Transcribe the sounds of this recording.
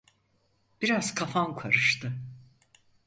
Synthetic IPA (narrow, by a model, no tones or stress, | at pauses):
b̥iɾazkʰafankʰaɾɯʃt̪ʰɯ